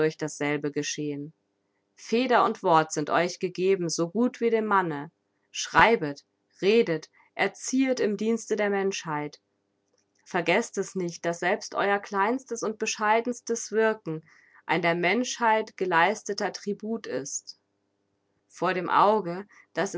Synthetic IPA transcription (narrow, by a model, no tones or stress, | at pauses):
ʊɐçd̥asz̥ɛlbəɡəʃeːən | feːdɐʊntv̥ɔɐtz̥ɪntʔɔʏçɡ̥əɡeːbm̩zoːɡuːtv̥iːdeːmmanə | ʃʁ̥aɪbət | ʁeːdət | ʔɛɐt͡siːətɪmdiːnstədeːɐmɛnʃhaɪt | fɛɐɡɛstɛsnɪçt̚d̥asz̥ɛlpstʔɔ̰ʏɐkl̥aɪnstəsʊnt̚b̥əʃaɪdn̩stəsv̥ɪɐkŋ̩ | ʔa̰ɪndeːɐmɛnʃhaɪtɡ̥əlaɪstətɐtʁ̥ibuːtɪ̰st | foːɐɾeːmʔa̰ʊɡə | d̥as